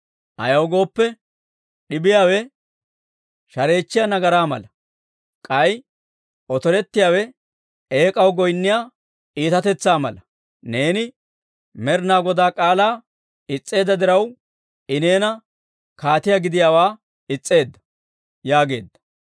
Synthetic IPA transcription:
ʔɐ̰jɐwɡo̞ːpːɛ | ɗɪbɪjaːwɛ | ʃɐɾe̞ːt͡ʃːɪjɐnɐɡɐɾaːmɐlɐ | kʼɐj | ʔɔt̪ɔɾɛt̪ːɪjaːwɛ | eːkʼɐwɡɔjnːɪjaː | ʔiːt̪ɐt̪ɛt͡sːaːmɐlɐ | ne̞ːnɪ | mɛɾnaːɡɔd̪aːkʼaːlaː | ɪt͡sʼːe̞ːd̪ːɐd̪ɪɾɐw | ɪneːnɐ | kaːt̪ɪjaɡɪd̪ɪjaːwaː | ɪt͡sʼːe̞ːd̪ːɐ̥ | jaːɡe̞ːd̪ːɐ̥

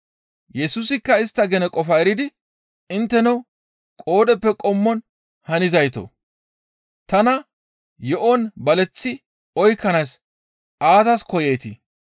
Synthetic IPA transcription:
jɛsusɪkːɐɪst̪ːɐɡɛnɛkʼɔfɐɛɾɪd̪ɪ | ɪnt̪ːɛnɐw | kʼoːd̪ɛpːɛkʼɔmːɔn | hɐnɪzɐjt̪o̰ | t̪ɐnɐ | jɔʔɔnbɐlɛt͡sːɪ | ɔjkːɐnɐs | ʔaːzɐskɔjejt̪ɪ

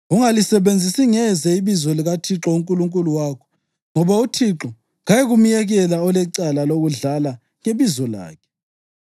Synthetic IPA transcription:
uŋalisɛβend͡zʱisiŋɛzɛiβizɔliɣatʰiǁɔuŋkʼuluŋkʼuluwaːkʰɔ̥ | ŋɔβautʰiǁɔ | ɣajeɣumijɛɣɛlaɔlɛǀalaloɣuɮala | ŋeβizɔla̰ːkʰɛ̥

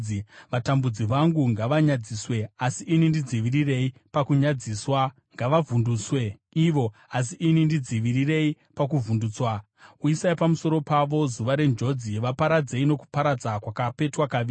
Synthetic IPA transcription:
iʋatambud͡ziʋaŋɡuŋɡaʋaɲad͡ziswe̞asiʔːnindid͡ziʋirire̞ipakuɲad͡ziswa | ŋɡaʋavunduːswe̞ | iʋo̞as̬iʔinindid͡ziʋirire̞i | pak̬uvunduːt͡swa | uisaipamuso̞ɾo̞paʋo̞zuʋaɾe̞nd͡ʒo̞d͡ziʋapaɾad͡ze̞ino̞ku̥paɾad͡zakwakape̞twaka

